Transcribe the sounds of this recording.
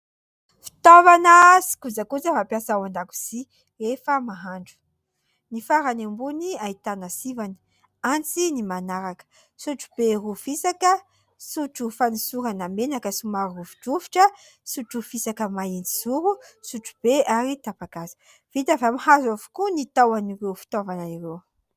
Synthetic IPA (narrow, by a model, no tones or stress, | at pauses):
fi̥t̪ovanəsi̥kud͡zakud͡zəvapjasawand̪aku̥z̥i | ɾefəmaɦaɳɖ͡ʐu̥ | nifaɾanambuniait̪anasivani̥ | ant͡sinimanaɾakə̥ | suʈ͡ʂu̥b̥erufisakə | suʈ͡ʂufanisuɾanamenakəsumaɾuvi̥ʈ͡ʂuviʈ͡ʂə | suʈ͡ʂufisakəmaind͡ziz̥uɾusuʈ͡ʂu̥b̥eaɾit̪apaɡazi̥ | v̥it̪əvamahazavu̥kunit̪awaniɾewfi̥t̪ovanaiɾew